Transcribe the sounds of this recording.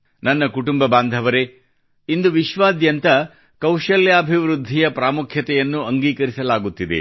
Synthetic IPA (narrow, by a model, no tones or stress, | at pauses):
nɐnːɐkuʈumbɐbaːnd̪ʱɐʋɐɾe̞ | ind̪uʋiʃʋaːd̪jɐnt̪ɐ | kɐwʃɐljaːbʱiʋɾud̪ʱːijɐpɾaːmukʰjɐt̪ɛjɐnːuɐŋɡiːkɐɾisɐlaːɡut̪ːid̪ḛ